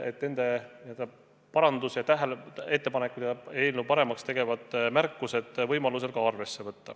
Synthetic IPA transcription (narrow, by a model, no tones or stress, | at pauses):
e̞t̪ne̞nd̪̥e̞niø̞ld̪̥ɑ | pɑɾɑnd̪usjɑt̪æɦælee̞t̪ːe̞pɑnekːˑut̪eɑe̞ːlnupɑɾe̞mɑkst̪e̞ɡ̥e̞vɑd̪̥mærkːuse̞d̪̥vɤjmɑluse̞lkɑɑrve̞sːe̞vɤt̪ːɑ